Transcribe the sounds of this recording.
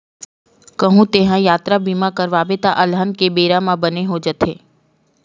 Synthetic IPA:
kəɦũt̪eːɦãjaːt̪ɾabimãkəɾʋaːbet̪aʔəlɦənkebeːɾãmãbəneɦod͡ʒət̪ʰeː

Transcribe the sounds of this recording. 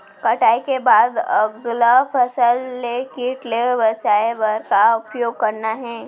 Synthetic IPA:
kɐʈaːikebaːd̪ɐ̰ɡlapʰɐsəlːekiʈlebət͡ʃaːeʋəɾkaʊpjoːɡ̚kɐɾnaɦɛ̃ː

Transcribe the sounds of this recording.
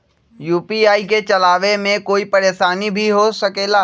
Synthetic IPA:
juːpiaːiket͡ʃɐlaːʋemẽkoːipɐɾeːʃaːnibʱiɦosɐkeːlaː

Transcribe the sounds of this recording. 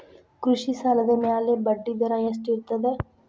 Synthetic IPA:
kɾʊʃisaːld̪emjaːlebəɖːid̪ɐɾajɐsʈiɾt̪əd̪ɛː

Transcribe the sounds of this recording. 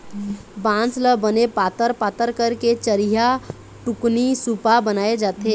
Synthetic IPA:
bãːnsləbənepaːt̪əɾpaːt̪əɾkəɾket͡ʃəɾiɦa | ʈʊknisupabənaːed͡ʒaːt̪e

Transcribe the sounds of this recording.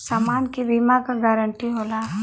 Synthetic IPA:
samaːnkiʋimãkaɡaːɾəɳʈiɦoːla

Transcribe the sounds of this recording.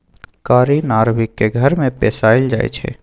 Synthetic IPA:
kaːɾinaːɾʋɪkːeɡʱɐɾmẽpɛːsaːɪld͡ʒaːḛt͡ʃʰḛː

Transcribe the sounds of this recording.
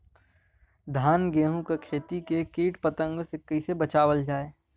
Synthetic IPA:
d̪ʱaːnɡeːɦũkekʰeːt̪ikekeːʈpət̪ə̃ŋɡsɪkːisebɐt͡ʃaːʋəld͡ʒaːe

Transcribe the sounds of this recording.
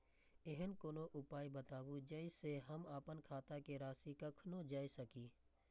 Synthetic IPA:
ɪɦənkoːnoʔʊpaːibət̪aːbud͡ʒəɪseɦɐmaːpənkʰaːt̪akeɾaːsikɐkʰnõd͡ʒaːisəkiː

